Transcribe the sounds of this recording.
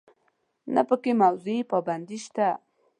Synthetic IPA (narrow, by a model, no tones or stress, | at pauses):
na̰pəkemawzuipɑband̪iʃt̪a